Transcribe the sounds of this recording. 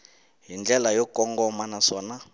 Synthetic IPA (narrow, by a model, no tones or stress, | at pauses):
ɦind͡ɮʱɛlajɔkʼɔŋɡɔmanaswaːna